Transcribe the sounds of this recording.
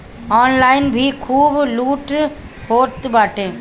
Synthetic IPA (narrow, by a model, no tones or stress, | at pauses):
ɔ̃ːnlaɪnbʱikʰuːbluːʈ | ɦoːt̪baːʈeː